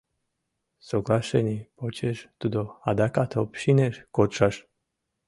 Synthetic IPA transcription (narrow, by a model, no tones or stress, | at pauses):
soklaʃenipot͡ʃeʃt̪ud̪oad̪akat̪ʰopʃineʃkot͡ʃaʃ